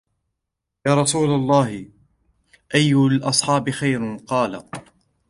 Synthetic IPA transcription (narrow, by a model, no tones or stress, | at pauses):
jaːɾˤɑsuːlalˤːɑːhɪ | ʔajːʊlʔɑsˤħɑːbɪxajɾqɑːla